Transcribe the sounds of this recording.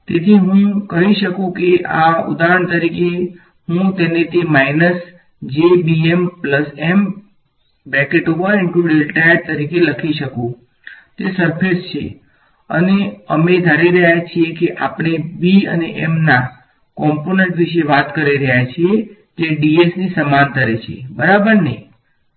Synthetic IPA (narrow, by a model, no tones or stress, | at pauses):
t̪et̪ʰiɦũkəɦiʃəkũkeʔaʊ̰d̪aɾəɳ̃t̪əɾike | ɦũt̪enet̪emainəs | d͡ʒebiempləsem | bɛ̃keʈoʋəɾɪɳʈuɖelʈajəɾt̪əɾikeləkʰiʃəkũ | t̪esəɾpʰest͡ʃʰḛ | ə̰neəmed̪ʱaɾiɾəɦjat͡ʃʰiekeʔapɳ̃ebiə̰neʔemna | kɔmponẽɳʈʋiʃeʋat̪kəɾiɾəɦjat͡ʃʰie | d͡ʒeɖiesnisəmant̪əɾet͡ʃʰḛbəɾabəɾnej